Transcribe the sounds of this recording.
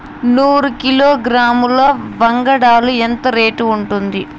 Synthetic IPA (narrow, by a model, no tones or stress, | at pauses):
nuːɾukiloːɡɾaːmuloːʋɐŋɡɐɽaːluent̪ɐɾe̞ːʈuːɳʈund̪i